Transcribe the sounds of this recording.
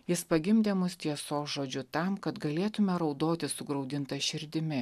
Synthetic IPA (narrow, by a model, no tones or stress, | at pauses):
jɪspɐɡʲɪmʲd̪ʲeːmʊst̪ʲiɛsoːsʒoːd͡ʒʲʊt̪ɐmkɐt̪ɡɐlʲeːt̪ʊmʲɛɾɒʊd̪oːt̪ʲɪsʊɡɾɒʊd̪ʲɪnt̪ɐʃʲɪɾʲd̪ʲɪmʲɪ